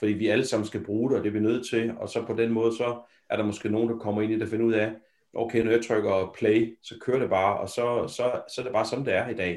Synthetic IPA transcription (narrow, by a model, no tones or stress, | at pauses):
fɒd̥ḭːʋiæləsɑ̈m̰n̩sɡ̥æb̥ʁuːɾ̥eɒd̥e̝ʋinøð̞̰ˠt͡sʰe̝lɒ̽sɒ̽pʰɒ̽d̥enmɔ̽ːð̞̩ˠsɒ̽ | æɐɾɑ̈mɒ̽sɡ̥e̝̰ːno̝ːnd̥ɑ̈kʰɒ̽m̰ɐe̝̰ːnid̥æfe̝nəuð̞̰ˠæ | ʔoʊkʰeɪnɒjɑt͡sʰʁœɡ̥ɐpʰleɪsɒ̽kʰøːɐɾ̥e̝b̥ɑ̈ːɒ̽sɒ̽sɒ̽sɒ̽æɐɾe̝b̥ɑ̈ːsɒ̽n̩d̥eæɐid̥ɛ̰ː